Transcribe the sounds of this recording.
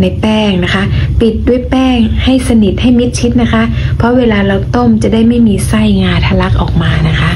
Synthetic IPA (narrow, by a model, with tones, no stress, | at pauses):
na˧jpɛː˥˩ŋna˦˥kʰa˦˥ʔpi˨˩t̪̚du˥˩əjpɛː˥˩ŋha˥˩jsa˧ni˨˩t̪̚ha˥˩jmi˦˥t̪̚t͡ɕʰi˦˥t̪̚na˦˥kʰa˦˥ʔpʰɾɔ˦˥weː˧laː˧la˧˩wt̪o˥˩mt͡ɕa˨˩daː˥˩jma˥˩jmiː˧sa˥˩jŋaː˧t̪ʰa˧la˦˥k̚ʔɔː˨˩k̚maː˧na˦˥kʰa˦˥ʔ